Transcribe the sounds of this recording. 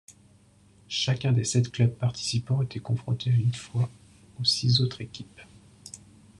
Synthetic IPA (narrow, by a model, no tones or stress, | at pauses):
ʃakʲɛ̃d̪esɛt̪klœb̚paʁt̪ʰi̥sipɑ̃et̪ʰɛkɔ̃fχɔ̰̃t̪ʰeaynfwa | osizot̪χekʲʰip